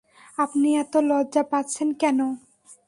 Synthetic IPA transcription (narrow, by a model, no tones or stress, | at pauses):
apniɛt̪olɔdd͡ʑapatːt͡ɕʰenkɛno